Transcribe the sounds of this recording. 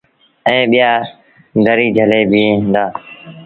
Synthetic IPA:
ɛ̃ːɓɪjaː | ɡ̪əɾiːd͡ʒʱəleːbʱĩːnd̪aː

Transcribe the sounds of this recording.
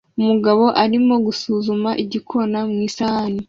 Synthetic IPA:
umuɡaβo̞ʔaɾimo̞ɡusuːzumaʔiɟikʰo̞namŋiːsahani

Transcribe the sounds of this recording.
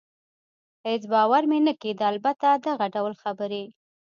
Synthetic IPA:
het͡sbɑwaɾmenəked̪əalbat̪ad̪aɣaɖawlxabəɾe

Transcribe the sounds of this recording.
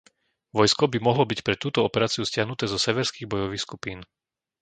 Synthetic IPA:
ʋɔjskɔbimɔɦlɔbicpɾɛt̪uːt̪ɔɔpɛɾaːt͡siuscɪaɦnut̪ɛːzɔsɛʋɛɾskiːɣbɔjɔʋiːxskupiːn

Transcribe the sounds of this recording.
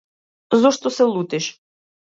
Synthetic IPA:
zɔʃt̪ɔsɛlˠut̪ɪʃ

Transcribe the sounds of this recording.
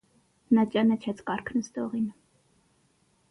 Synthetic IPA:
nɑt͡ʃʼɑnət͡ʃʰɛt͡sʰkɑɾkʰnəsd̪ɔʁin

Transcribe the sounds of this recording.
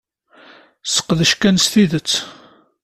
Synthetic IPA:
sə̥qːðəʃkænsθiðət͡sː

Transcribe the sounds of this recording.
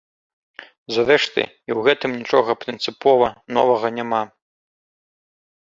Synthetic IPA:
zaɾɛʂt̪ɨ̰ | iwɣɛt̪ɨmnʲit͡ʂɔɣɐpɾʲɨnt̪sɨpɔvɐnɔ̰vɐɣɐnʲama

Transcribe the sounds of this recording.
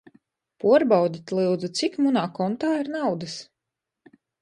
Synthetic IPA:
puɔɾbawd̪ʲit̪ʲlˠɨwd̪zut̪sikmunaːkɔnt̪aːiɾnawd̪ɨs

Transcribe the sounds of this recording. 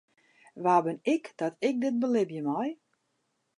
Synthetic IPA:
ʋaːbɪnɪkd̥ɔtɪk̚dɪt̚bəlɪbjəmɔj

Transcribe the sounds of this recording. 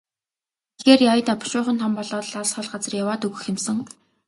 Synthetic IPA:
xeːrjajt̪aːpʊ̥ʃʊːχə̆nt̪ʰɔmpɔɮɔːt̪ɮasχɔɮɢat͡sə̆rjawaːt̪ɵɣɘ̆xemsɘ̆ŋ

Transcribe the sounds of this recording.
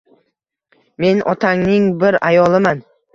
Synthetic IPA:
me̞nʔɒt̪ʰaŋnɪŋbɪɾajɒlˠɪman

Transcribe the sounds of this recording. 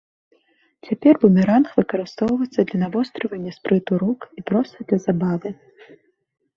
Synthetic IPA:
t͡sʲapʲɛrbumʲɛɾanxvɨkɐɾɨst̪ɔwvɐt̪sːɐd̪lʲɐnavɔst̪ɾɨvɐnʲːɐspɾɨt̪uɾukipɾɔst̪ɐd̪lʲɐzabavɨ

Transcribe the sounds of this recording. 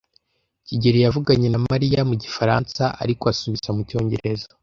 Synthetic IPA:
ciɟeɾijavuɡaɲe̞namaɾijamuɟifaɾa̰ːnsaʔa̰ɾikoasuβizamuco̞ːɲɟe̞ɾe̞za

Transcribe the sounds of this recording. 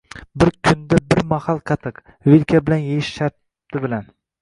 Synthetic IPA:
bɪɾkʲʰʊnd̪abɪɾmahɑlˠqʰɑt̪ʰɨq | vɪlkʲʰabɪlanjejɪʃʃaɾt̪ʰː | ɪbɪlan

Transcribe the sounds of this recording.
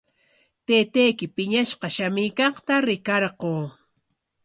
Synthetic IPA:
t̪eːt̪ejkɪpɪɲaʃqɑʃamɪːkɑχt̪aɾɪkɑɾɢoː

